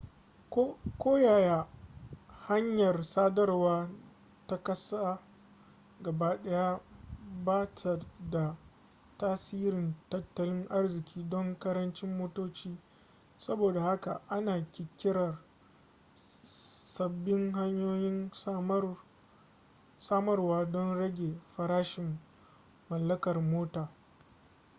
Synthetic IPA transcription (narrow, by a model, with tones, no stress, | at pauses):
kkʷoː˦jaː˨ja˦ | ha˦ɲjɐ˨rsaː˦dɐ˦rwaː˦ | ta˦kɐ˦saː˦ | ɡɐ˨baː˦ɗɐ˦ja˦baː˦tʰa˨da˨ | taː˦siː˦ɾɪ˨ntɐ˦tːɐ˦lɪ˦ŋʔa˦rzɪ˨kʲʰiː˦dɔ˦ŋkɐ˦ɾɐ˦nt͡ʃɪ˦mːoː˦toː˦t͡ʃiː˦ | sɐ˦boː˨da˨ha˦ka̰˨ʔa˦naː˨kʲɪ˨kʲɪ˦ɾɐ˨r | sɐ˨bːɪ˦ŋɦa˦ɲjoː˦jɪ˦n | saː˦mɐ˦rwaː˦dɔ˦nɽɐ˦ɡʲeː˨ɸɐ˨ɾaː˦ʃɪ˨mː | ɐ˨lːɐ˦kɐ˨rmoː˦taː˨